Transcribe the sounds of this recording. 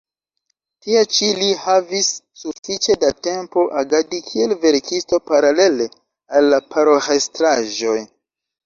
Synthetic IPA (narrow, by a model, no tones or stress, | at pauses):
tiat͡ʃilihavisː | ufit͡ʃe̞date̞mpo̞ʔaɡadikʰie̞lve̞ɾkʰisto̞paɾale̞le̞ | alːapaɾohestɾaʒo̞j